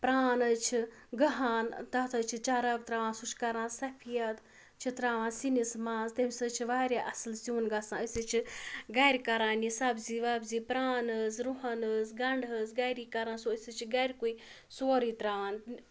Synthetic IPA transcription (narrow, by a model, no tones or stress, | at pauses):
pɾaːnɐt͡ʃʰi | ɡɐɦaːnt̪ɐt̪ʰɐt͡ʃʰit͡ʃaɾɐkt̪ɾaːʋaːnsuʃkɐɾãːnsɐpʰijɐt̪ | t͡ʃʰit̪ɾaːʋãːnsinismãːzt̪emʲsɐt͡ʃʰiʋaːɾʲjaʔɐslsiunɡɐsãəsɨt͡ʃʰiɡɐjɾʲkɐɾaːnisɐbziʋɐbzipɾaːnəzɾuɦɐnəzɡɐɳɖʱəɡajɾiːkɐɾaːnsoəsɨt͡ʃʰiɡaɾʲkuj | soːɾiːt̪ɾaːʋaːn